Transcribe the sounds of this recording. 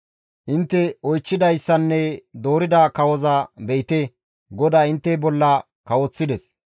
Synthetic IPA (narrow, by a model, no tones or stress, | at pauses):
ʔɪnt̪ːɛɔjt͡ʃːɪd̪ɐjsːɐnːɛd̪o̞ːɾɪd̪ɐkɐwɔzɐbejt̪e | ɡɔd̪aːɪnt̪ːɛbɔlːɐ | kɐwɔt͡sːɪd̪ɛs